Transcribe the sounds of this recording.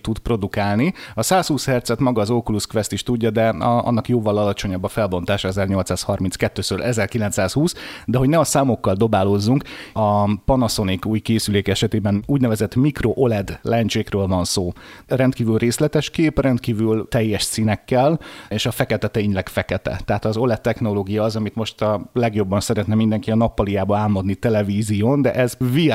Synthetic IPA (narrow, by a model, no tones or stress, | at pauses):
t̪ud̪pro̞d̪ukaːlniɒsaːshuːshɛrt̪sɛt̪mɒɡɒːzokuluskʋɛst̪iʃt̪uɟːɒd̪ɛɒ̰nːɒkjoːvɒlɒlɒt͡ʃo̞ɲɒbːɒfɛlbo̞n̪t̪aːʃɒɛzɛrɲo̞lt̪saːshɒrminskɛt̪ːøːsøːlʔɛzɛrkilɛnt̪saːshuːsd̪ɛɦo̞ɟnɛɒsaːmo̞kːɒld̪o̞baːlo̞zːuŋkɒpɒnɒso̞nikuːjkeːsyleːkɛʃɛt̪eːbɛnuːɟnɛvɛzɛt̪mikro̞ʔo̞lɛd̪lɛnt͡ʃeːkrøːlvɒnsoːrɛnt̪̚kiːvylreːslɛt̪ɛʃkeːprɛnt̪kiːvylt̪ɛjːɛʃsiːnɛkːɛleːʃɒfɛkɛt̪ɛt̪eːɲlɛkfɛkɛt̪ɛ̰t̪ɛɦat̪ɒzo̞lɛt̪ːɛxno̞loːɡijɒːzɒmit̪mo̞ʃt̪ɒlɛɡjo̞bːɒnsɛɾɛt̪nɛmind̪ɛŋkiɒnɒpːɒlijaːbɒaːlmod̪nit̪ɛlɛviːzijoːnd̪ɛ̰ʔɛzvi